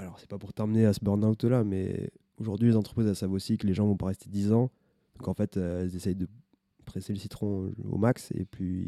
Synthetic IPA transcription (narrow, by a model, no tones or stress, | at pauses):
alɔʁsɛ̥papuʁt̪ɑ̃məneasəbɔʁnawt̪lamɛ̰ | oʒuʁd̪ɥilezɑ̃t̪χə̥pχizɛlsavosikəleʒɑ̃vɔ̃paʁɛst̪ed̪izɑ̃ | d̪ɔ̃kɑ̃fɛt̪øɛlzesɛjd̪ə | pχeseləsit̪χɔ̃o̰maksḛply